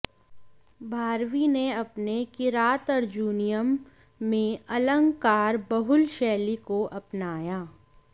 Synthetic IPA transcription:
bʱaːɾwineɐpnekɪɾaːt̪əɾd͡ʒuːnijəmː | ẽɐlə̃ŋɡkaːɾbɐɦʊlʃɛːlikoʔɐpnaːjaː

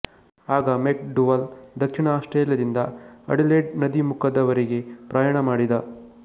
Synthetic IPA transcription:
aːɡɐmeːk̚ɖuʋɐld̪ɐkʂiɳɐaːʂʈɾeːljɐd̪ind̪ɐɐ̰ɽileːɖnɐd̪imukʰɐd̪ɐʋɐɾeɡe̞pɾaːjaːɳɐmaːɽid̪ɐ

